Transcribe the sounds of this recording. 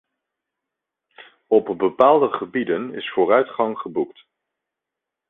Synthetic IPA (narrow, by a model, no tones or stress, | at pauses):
ɔpbəpaːlˠdəχəbidənɪ̰sfʊːrœɥtχɑŋχəbukt